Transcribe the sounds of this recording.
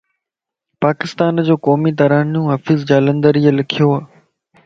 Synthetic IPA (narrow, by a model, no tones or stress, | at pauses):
paːkɪst̪aːnd͡ʑoːkɔːmit̪̬ɐɾaːnijũːɦɐfɪzd͡ʑaːlə̃nd̪əɾiːəlɪkʰijoaː